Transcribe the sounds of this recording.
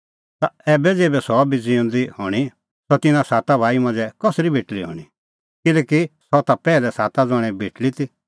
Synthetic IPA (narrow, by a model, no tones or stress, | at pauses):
t̪aɛːbɛd͡zeːbɛsɔbid͡zĩõːnd̪ihɔːɽ̃i | sɔt̪ɪnãsaːt̪abʱaːimɐ̃nd͡zɛkɔsɾibʱeːʈliɦɔ̰ːɽ̃i | kɪlɛːkisɔt̪apɛːlɛsaːt̪ad͡zɔɽ̃ɛ̃bʱeːʈlit̪i